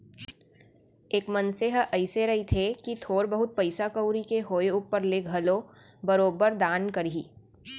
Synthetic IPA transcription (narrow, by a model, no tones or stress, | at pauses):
eːkmɐnseɦəʔɐɪseɾɐɦit̪ʰekit̪ʰoːɾbəɦʊt̪̚pɐɪsakəwɾikeɦoːeuːpəɾleɡʱɐlo | bɐɾoːbəɾd̪aːnkɐɾiː